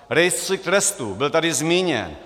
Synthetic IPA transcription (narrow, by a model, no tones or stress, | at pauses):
ɾɛjst̪rɪk̚t̪ɾɛst̪ubɪlt̪adɪzmiːɲɛ̰n